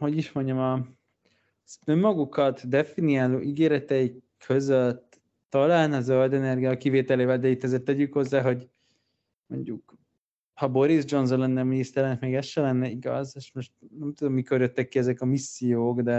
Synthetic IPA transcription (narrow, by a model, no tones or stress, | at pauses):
ho̞ɟiʃmo̞ɲɟɒmɒ | ømːɒɡukɒt̪d̪ɛfiniaːlo̰ːʔiɡeːɾɛt̪ɛikʰøzøt̪ː | ɒlaːlnɒzøld̪ɛnɛrɡijɒkiveːt̪ɛleːvɛld̪ɛit̪ːɛzeːrt̪ːɛɟykho̞zːaːɦo̞ɟ | mo̞̰ɲɟuk | hɒbo̞ɾizd͡ʒo̞nzonlɛnːɛminist̪ɛɾɛnɛkmeːɡɛsʃɛlɛnːɛiɡɒ̰zeʃmo̞ʃt̪̚nɛmt̪ud̪o̞mːiko̞rjøt̪ːɛkːiɛzɛkɒmisːijoːɡd̪ɛ